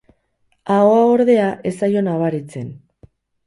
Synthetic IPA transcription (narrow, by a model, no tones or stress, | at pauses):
aoao̞ɾðe̞aʔe̞sajo̞naβ̞aɾit͡se̞n